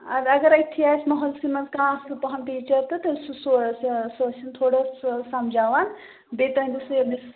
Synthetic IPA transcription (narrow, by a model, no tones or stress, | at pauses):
ɐd̪ɐɡɐɾɐt̪ʰiaːsmɐɦɐlsimɐnzkãːslpɐɦɐnpiːt͡ʃɐɾt̪ɐt̪ɐsusssosint̪ʰoːɽɐssɐmd͡ʒʱaːʋan | bet̪ɐind̪usɐd̪is